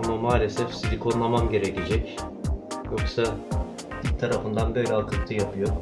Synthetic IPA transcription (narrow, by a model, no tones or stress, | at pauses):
amamaːlʲe̞sɛfsid̪ʲikʰo̞nlˠamamɟe̞ɾeced͡ʒɛc | jo̞ksa | it̪ʰaɾafɯnd̪anbø̞jlʲɛalˠkʰɯk̚t̪ʰɯjapʰɯjo